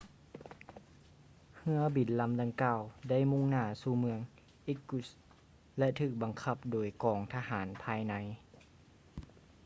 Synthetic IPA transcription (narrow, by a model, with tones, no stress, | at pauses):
hɯ˧˥ɐbi˨˩˦nla˧˥mda˧ŋkaː˧˩wda˥˩˨jmu˧˥˨ŋnaː˧˩suː˧˩mɯ˧əŋ | ʔi˧˥kːu˧˩s | lɛ˧ʔt̪ʰɯː˧˩k̚ba˨ŋkʰa˧˩p̚doː˨˩˦jkɔː˨˩ŋt̪ʰaː˧haː˩˦npʰaː˧jna˧˥j